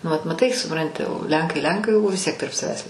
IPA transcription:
nʊ ʋɐt mɐˈtɐɪ sʊˈprɐnʲtʲɪ oː ˈlʲɛŋkɐɪ ˈlʲɛŋkɐɪ oː ʋʲɪs ˈtʲiɛk tɐrp sɐˈʋʲæːs

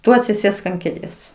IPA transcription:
ˈtʊ ɐtʲsʲɪˈsʲeːsk ɐnt kʲeːˈdʲeːs

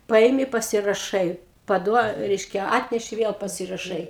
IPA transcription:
ˈpɐɪmʲɪ pɐsʲɪrɐˈʃɐɪ pɐˈduɔ ˈrʲɛɪʃʲkʲɛ ˈɑːtʲnʲɛʃʲɪ ˈʋʲiɛlˠ pɐsʲɪrɐˈʃɐɪ

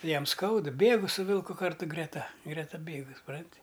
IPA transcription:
ˈjɛm ˈskɐʊdɐ ˈbʲeːɡʊ sʊ ˈʋʲɪlˠkʊ ˈkɐrtʊ ɡrʲɛˈtɐ ˈɡrʲæːtɐ ˈbʲeːɡʊ sʊˈprɐnʲtʲɪ

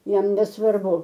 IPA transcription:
ˈjɛm nʲɛsʋɐrˈbʊ

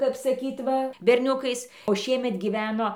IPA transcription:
kɐp sɐˈkʲiːt ˈʋɐ bʲɛrʲˈnʲʊkɐɪs oː ˈʃʲiɛmʲɛt ɡʲɪˈʋʲæːnoː

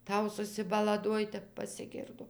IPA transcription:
ˈtɐʊ sʊsʲɪbɐlˠɐˈduɔj ˈtʲɛp pɐsʲɪˈɡʲɪrdoː

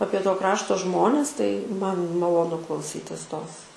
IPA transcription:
ˈɑːpʲiɛ toː ˈkrɑːʃtoː ˈʒmoːnʲɛs tɐɪ ˈmɐn mɐlˠoːˈnʊ klˠɐʊˈsʲiːtʲɪs ˈtoːs

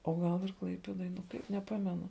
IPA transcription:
oː ˈɡɐlˠ ɪr ˈklˠɐɪpʲeːdoːj ˈkɐɪp nʲɛˈpɑːmʲɛnʊ

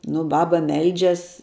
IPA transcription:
ˈnʊ ˈbɑːbɐ ˈmʲɛlʲd͡ʒʲɛs

